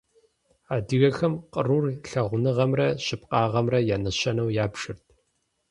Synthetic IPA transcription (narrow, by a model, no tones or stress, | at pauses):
aːdɨɣɐxɐmqəruːrɬɐʁʷʊnɨʁɐmrɐɕɪp̚ʼqʼɑːʁɐmrɐjaːnɐɕɐnɐwjaːbʂɨrtʰ